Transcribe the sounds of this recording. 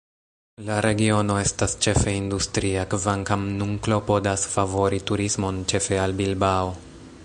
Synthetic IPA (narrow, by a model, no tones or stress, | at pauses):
laɾe̞ɡio̞no̞e̞stast͡ʃe̞feindustɾiakvaŋkamnuŋklo̞po̞dasfavo̞ɾituɾismo̞nt͡ʃe̞fe̞albilbao